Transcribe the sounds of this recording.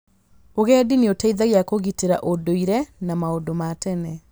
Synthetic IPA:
oɣɛdineotaiðaɣeakoɣiteɾa̰ʔodoiɾɛnamaodomatɛnɛ

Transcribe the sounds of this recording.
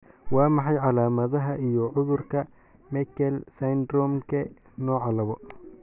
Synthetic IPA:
wɑːmɑħɑjʕɑlaːmɐðɐɦɐʔijɔʕʊðʊrkʰɐ | mɛkʰɛlsɐnd̪rɔmkʰɐ | nɔːʕɑlɐβɔ

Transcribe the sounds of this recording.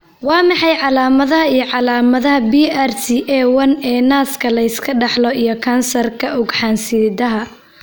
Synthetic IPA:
wɑːmɑħɑjʕɑlaːmɐðɐhɐijɞʕɑlaːmɐðɐɦɐbiːartiʔɛːwɐnɛːnaːskʰɐlɐɪskʰɐɖɑħlɔijɞkʰɐnsɐrkʰɐʔʊɡħaːnsiːd̪ɐɦɐ

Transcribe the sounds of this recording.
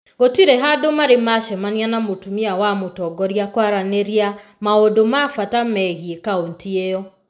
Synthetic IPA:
ɡotiɾeɦadomaɾemaʃɛmanianamotumiawamotɔɡɔɾjakwaɾaneɾiamaodomafatamɛɣiekaontieɔ

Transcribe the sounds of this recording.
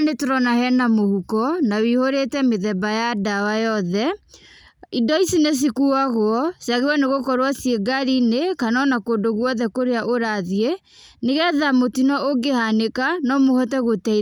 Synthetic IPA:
netoɾɔnahɛnamohukɔnawihoɾetɛmeðɛbajadawajɔðɛ | idɔisines̬ikuaɣoɔsaɣewɔneɣokɔɾwasijeɡaɾinekanɔnakoːdoɣwɔðɛkoɾeaʔoɾaðie | neɣɛðamotinɔʔoɡehanekanɔmohɔtɛɣotɛ

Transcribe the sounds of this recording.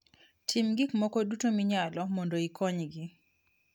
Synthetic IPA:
tʰimɡɪkmɔkɔdutomiɲalɔmɔndoikʰɔɲɡɪ

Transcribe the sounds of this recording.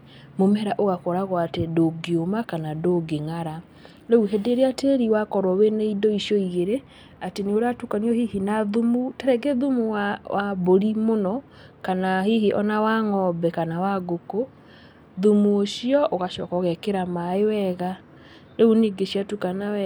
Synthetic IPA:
momɛɾaʔoɣakɔɾaɣwatedoɡeomakanadoɡeŋaɾa | ɾeuɦedeɾeateɾiwakɔɾɔweneidɔiʃjɔiɣeɾe | ateneoɾeatukaniɔhihinaðumutɛɾɛɡeðumuwaʔaboɾimonɔ | kanahihiʔɔnawaŋɔbɛkanawaɡoko | ðumuoʃiɔʔoɣaʃɔːkaoɣɛkeɾamaewɛɣa | ɾeuniɡeɕiatukanaɛ

